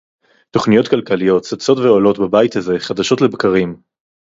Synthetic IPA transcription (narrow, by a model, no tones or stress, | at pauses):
to̞χnijo̞tkalkalijo̞tt͡sat͡so̞tveolo̞tbabajitaze̞χad̪aʃo̞tle̞bkaʁim